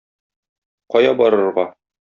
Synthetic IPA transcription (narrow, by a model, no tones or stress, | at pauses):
qɒjɑbɒɾɤ̆ɾʁɑ